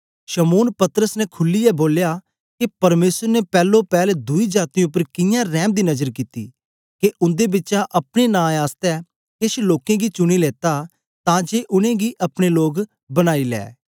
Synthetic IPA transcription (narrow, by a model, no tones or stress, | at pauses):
ʃɐmoːnpɐt̪əɾəsnɛkʰʊlːiɛboːlja | kepɐɾmeːsəɾnɛpɛːlːõpɛːled̪ʊid͡ʒaːt̪iʊpːəɾkɪjãɾɛːmd̪iːnɐzəɾkit̪ḭː | keʔʊ̃nd̪ebɪtːt͡ʃaʔɐpɽ̃enãːaːst̪ɛ | keʃloːkẽɡit͡ʃʊɽ̃ileːt̪a | t̪ãd͡ʒeːʔʊñẽɡiʔɐpɽ̃eloːɡ | bɐɽ̃aːilɛ̰ː